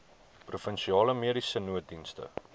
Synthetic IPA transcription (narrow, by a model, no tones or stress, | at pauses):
prufənʃiɑːləmiəɾisənuət̚dinstə̰